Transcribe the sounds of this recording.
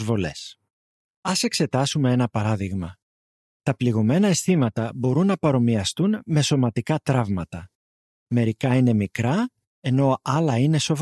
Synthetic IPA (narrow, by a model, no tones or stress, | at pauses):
zvo̞le̞̰s | ɐse̞kse̞t̪ɐsume̞e̞nɐpɐɾɐðiɣmɐ | t̪ɐpliɣo̞me̞nɐesθimɐt̪ɐbo̞ɾunːɐpɐɾo̞miɐst̪unme̞so̞mɐt̪ikɐt̪ɾɐvmɐt̪ɐ | me̞ɾikɐine̞mikɾɐ | e̞no̞ɐlɐine̞so̞v